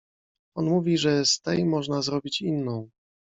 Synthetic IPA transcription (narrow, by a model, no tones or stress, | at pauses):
ɔnmuvʲiʐɛst̪ɛjmɔʐnazɾɔbʲit͡ɕinːɔ̃w̃